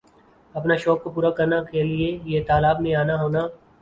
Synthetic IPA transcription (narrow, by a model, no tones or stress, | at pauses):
ɐpnaʃɔːkːopuːɾakɐɾnakeliejet̪aːlaːbnẽaːnaɦoːnaː